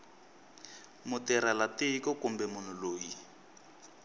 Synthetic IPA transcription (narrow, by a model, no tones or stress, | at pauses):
mʊtɛɾalatɪikɔkʊmbɛmʊn̤ʊloːji